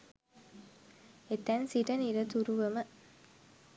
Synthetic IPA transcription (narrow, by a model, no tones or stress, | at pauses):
et̪ænsiʈəniɾɐt̪uɾuʋəmə